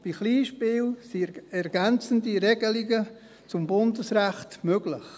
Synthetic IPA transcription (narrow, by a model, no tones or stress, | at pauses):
b̥iχliːʃpɪːlsiɛɾɡ̥ɛnt͡sən̩diɾɛɡəliɡə | t͡sʊmbʊndəsɾæχtmøɡ̥lɪχ